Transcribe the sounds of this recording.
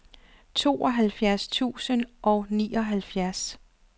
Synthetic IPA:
t͡sʰo̝̰ːʔɒ̽ɦælfjæɐst͡sʰṵːsənʔɒnḭːɒ̽ɦælfjæɐs

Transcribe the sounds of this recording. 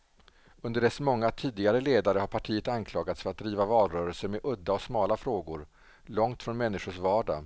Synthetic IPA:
ɵnd̪əɖɛsmɔŋːat̪ʰiːd̪ɪɡaɾəleːd̪aɾəhaɾpʰaʈʰiːət̪ankʰlɑːɡat̪sfœɾat̪̚d̪ɾiːvavɑːlɾœːɾɛlsəmɛʔɵd̪ːaɔsmɑːlafɾoːɡʊɾ | lɔŋt̪fɾɔnmɛnːɪʂʊʂvɑːɖa̰

